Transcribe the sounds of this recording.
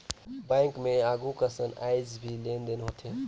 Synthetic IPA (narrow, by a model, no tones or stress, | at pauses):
bãŋkmẽaːɡukəsəna̰ɪd͡ʒbʱilend̪eneɦot̪ʰe